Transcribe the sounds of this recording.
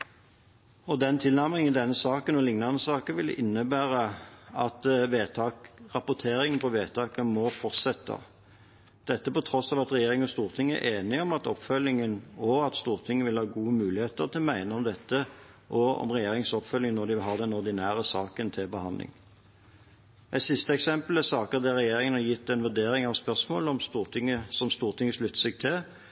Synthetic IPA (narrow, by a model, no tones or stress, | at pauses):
ɔd̪ɛnt̪ʰɪlnæmʁɪŋɪd̪ɛnːəsɑːkənɔlɪŋnɑnəsɑːkəʋɪl̰ʔɪnːəbæːʁəɑt̪ʋeːt̪ʰɑkʁɑpʊt̪ʰeːɾɪŋənpʰɔʋeːt̪ʰɑːkəmɔfɔʁt̪sɛt̪ʰːə̰ | d̪̥ɛt̪ːəpɔt̪ʰɾɔsɑːʋɑt̪ʁɛjeːɾɪŋɔst̪uːʁt̪ʰɪŋːəæ̰ʔeːnɪɔmɑt̪ɔpːfœlːɪŋənɔɡɑt̪st̪uːʁt̪ʰɪŋːəʋɪlhɑːɡuːəmʉːlɪheːt̪əʁt̪ʰɪlmæɪnəɔmd̪ɛt̪ːə | ʔɔɔ̰mʁɛjeːɾɪŋsɔpfœlːɪŋnɔʁd̪ɪʋɪlɦɑːd̪ɛnɔɾd̪ɪnæːʁəsɑːkənt̪ʰɪlbəhɑnd̪lɪ̰ŋ | ʔɛɪt̪sɪst̪əɛksɛmpəlæsɑːkəʁd̪ɛʁɛjeːɾɪŋənɑjɪt̪ːɛnʋʉd̪eːɾɪŋɑʋspœʁsmo̰ːləɔmst̪uːʁt̪ʰɪŋːəsɔmst̪uːʁt̪ʰɪŋːəslʉt̪ːə̥sɛɡ̚t̪ʰɪl